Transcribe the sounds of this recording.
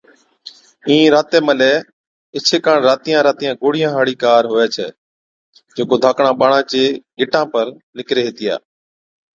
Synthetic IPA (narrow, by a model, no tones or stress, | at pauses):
ĩːɾaːt̪eːməlɛː | ɪt͡ʃʰeːkãːɳɾaːt̪ijãːɾaːt̪ijãːɡoːɽ̤ijãːɦaːɽiːkaːɾɦoːɛːt͡ʃʰɛ̰ː | d͡ʒeːkoːd̪ʱaːkɳãːɓaːɳãːt͡ʃeːɡɪʈãːpəɾ | lɪkɾeːɦeːt̪ɪja̰ː